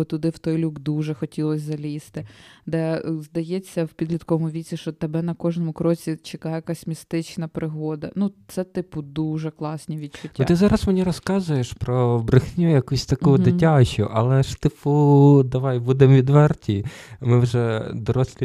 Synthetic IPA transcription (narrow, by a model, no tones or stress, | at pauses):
ɔt̪ʊd̪ɪwt̪ɔjlʲuɡd̪uʒɛxɔtʲilˠɔsʲzɐlʲist̪ɪd̪ɛzd̪ɐjet͡sʲːɐwpʲid̪lʲit̪kɔʋɔmʊʋʲit͡sʲiʃt͡ʃɔt̪ebɛnɐkɔʒnɔmʊkɾɔt͡sʲit͡ʃɪkɑjɛjɛkɑsʲmʲist̪ɪt͡ʃnɐpɾɪɦɔd̪ɐnut̪sɛt̪ɪpʊd̪uʒɛklˠɑsʲnʲiʋʲid̪t͡ʃʊnt̪ʲːʊt̪ɪzɑɾɐsmenʲiɾɔskɑzʊjeʃpɾɔbɾɪxnʲujɐkusʲt̪ɐkud̪ɪtʲɑt͡ʃʊ̰ʔɐlˠɛʃt̪ɪpud̪ɐʋɑjbud̪emʋʲid̪ʋɛrtʲimɪwʒɛd̪ɔɾɔsʲlʲi